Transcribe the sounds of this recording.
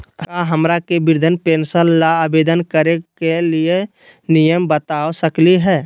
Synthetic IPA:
kaɦəmɾakebɪɾd̪ʱənpeːnsəlːaːbeːd̪ənkəɾekelie | nijəmbət̪aːosəkliɦɛː

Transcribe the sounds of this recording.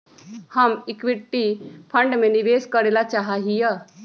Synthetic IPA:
həmɪkʋɪʈːipʰə̃ɳɖmẽniʋeːskəɾeːlat͡ʃaɦaɦijə

